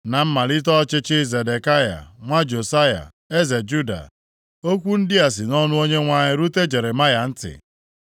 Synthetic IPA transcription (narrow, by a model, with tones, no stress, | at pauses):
na˨m̩˦ma˨li˦t̬ɔ˦t͡ʃɪ˦t͡ʃɪ˦ze˨de˨ka˦ja̰˨ŋʷa˦d͡ʒo˨sa˦ja̰˨ | e˦ze˨d͡ʒu˦da̰˨ | o˦kʷu˦n̩˦dɪ˦a˨s̬ɪ˨nɔ˦nʊ˦o˦ɲe˦ŋʷa˦ɲɪ˦ɾu˦te˦d͡ʒe˨ɾe˨ma˦ja˨n̩˦tɪ̰˨